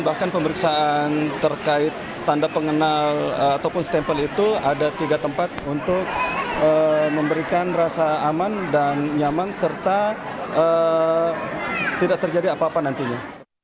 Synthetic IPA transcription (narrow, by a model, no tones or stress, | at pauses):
bahkanpəməɾiksaant̪ərkaɪt̪ːandapəŋənaləat̪awpʊnst̪ɛmpəlit̪uadat̪iɡat̪əmpat̪̚unt̪ʊk̚əməmbəɾikanrasaːmandanɲamansərt̪a | ə | t̪idak̚t̪ərd͡ʒadiapaːpanant̪iɲa